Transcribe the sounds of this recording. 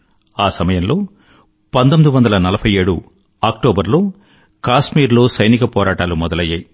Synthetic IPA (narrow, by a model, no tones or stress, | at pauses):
aːsɐmɐjɐmlo̞ː | pɐnt̪omid̪iʋɐnd̪ɐlɐnɐlɐpʰɐjeːɽṵ | aːk̚ʈoːbɐɾlo̞ː | kaːʂmiːɾloːsɐjnikɐpɔːɾaːʈaːlumɔd̪ɐlɐjːaːji